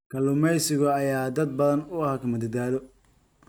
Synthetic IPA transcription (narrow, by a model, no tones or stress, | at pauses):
kʰɐlʊmɛjsɪɣɔɐjaːd̪ɐd̪̚bɐðɐnʊɐhɐkʰɐmɐd̪ɐd̪aːðɔ